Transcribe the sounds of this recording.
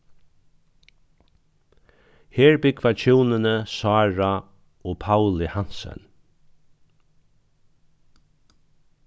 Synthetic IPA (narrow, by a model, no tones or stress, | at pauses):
heːɹbɪkʰvat͡ʃʰuːnənəsɑːɹa | ɔːpʰawlɪhan̥sɛ̰n